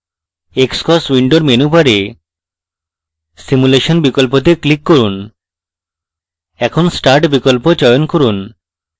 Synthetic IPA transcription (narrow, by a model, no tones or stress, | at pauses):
ekskɔswiɳɖoɾmenubaɾe | simuleʃonbikolpot̪̬eklikːoɾun | ɛkʰonsʈaɾʈbikolpot͡ɕɔjonkoɾun